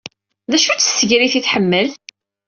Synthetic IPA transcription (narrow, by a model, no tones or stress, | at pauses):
ðæʃut͡sːə̥sːəʝɾiθiθħəmːəl